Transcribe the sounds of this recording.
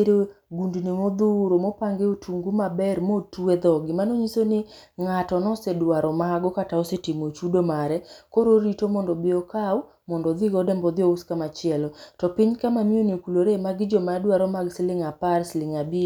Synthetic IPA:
eɾeɡundnimod̪uɾomopaŋɡeotʰuŋɡumabɛɾmotued̪ɔɡɪmanoɲisonɪ | ŋatɔnɔsedwaɾɔmaɡɔkataɔsetimot͡ʃudomaɾɛkoɾoɾitomɔndɔbɪɔkaw | mɔndɔd̪ɪɡɔdɛmbɔd̪ɪouskamat͡ʃɪɛlɔtɔpɪɲkamamjonikuloɾemaɡɪd͡ʒomadwaɾɔmaɡsɪlɪŋapaɾslɪŋabi

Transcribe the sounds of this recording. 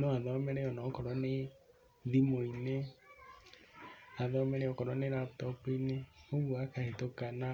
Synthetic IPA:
noaðɔmeɾɛɔnɔkɔɾɔne | ðimoine | aðɔmɛɾeɔkɔɾɔneɾaptɔpineoɣuakahetokana

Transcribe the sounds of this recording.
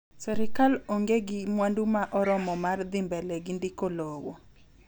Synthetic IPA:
sɛɾɪkaloŋɡeɡɪmwandumaʔɔɾɔmɔmard̪ɪmbɛlɛɡɪndɪkolowo̰

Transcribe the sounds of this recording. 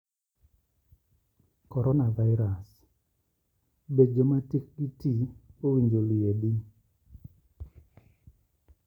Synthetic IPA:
kɔɾɔnavaɪɾas | bed͡ʒomatik̚ɡitiowiɲd͡ʒolieɗi

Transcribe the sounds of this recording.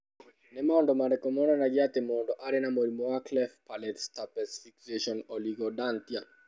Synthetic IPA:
nɛmɔndɔmadɛkɔmɔndanaɡiat̪ɛmɔndɔʔaɾɛnamɔɾimɔaklɛfpalɛtstapɛsfikseʃɔnɔliɡɔdant̪ia

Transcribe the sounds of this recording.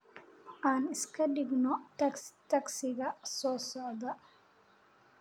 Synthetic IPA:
ʔaːnɪskɐdiɡnɔtɐt̪ɐksɪɡɐsɔːsɔd̪ɐ

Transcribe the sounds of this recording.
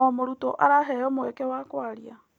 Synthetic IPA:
ɔmoɾutɔ̰ʔaɾaɦɛɔmoɛkɛwaːkwaɾia

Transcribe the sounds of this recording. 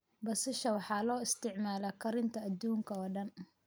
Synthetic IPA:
bɐsɪʃɐwɑħɑːlɔːɪst̪ʰɪʕmaːlɐkʰɐɾɪnt̪ʰɐːd̪uːŋkʰɐɔːɖɐn

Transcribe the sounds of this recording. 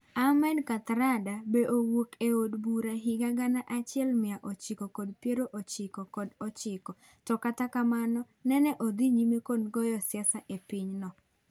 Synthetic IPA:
amɛnkat̪ɾadabeʔowokeodbuɾaɦɪɡaɡanaʔat͡ʃɪɛlmɪaʔot͡ʃɪkɔkɔdpjeɾoʔot͡ʃɪkɔkɔdɔt͡ʃɪkɔ | tɔkatakamanɔ | nɛnɛʔod̪iɲimekonɡɔjɔsjɛsaʔepɪɲnɔ

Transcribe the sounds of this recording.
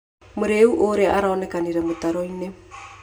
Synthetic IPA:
moɾeuʔoɾeaɾaɔnɛkaniɾɛmot̪aɾɔine

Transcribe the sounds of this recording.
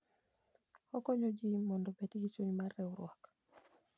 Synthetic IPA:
ɔkɔɲod͡ʒimɔndɔbetiɡit͡ʃuɲmarːɛuɾwak

